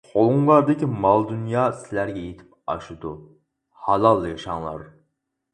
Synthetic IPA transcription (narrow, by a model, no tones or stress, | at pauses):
χʰolˠuŋlˠɑɾd̪ɪkʲʰimɑlˠd̪unjɑːsɪlæɾɡʲɛjet̪ʰɪ̥p̚ɑ̰ʃɨd̪u | hɑlˠɑlˠːjɑʃɑŋlˠɑ̰ɾ